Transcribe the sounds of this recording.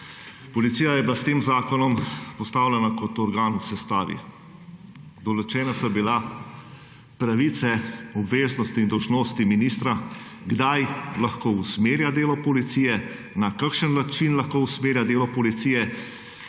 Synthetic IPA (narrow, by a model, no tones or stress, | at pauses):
pɔlit̪sijajɛbilast̪eːmzaːkɔnɔmpɔst̪aːwlʲɛnakɔt̪ɔɾɡaːnuwsɛst̪aːʋḭ | d̪ɔlɔt͡ʃɛːnasɔbila | pɾaʋit̪sɛɔbʋeːznɔst̪iːnd̪ɔwʒnoːst̪iminiːst̪ɾa | ɡd̪ajlaxkoːusmeːɾjad̪eːlɔpɔlit̪siːjɛ | nakakʃənnat͡ʃinlaxkoːusmeːɾjad̪eːlɔpɔlit̪siːjɛ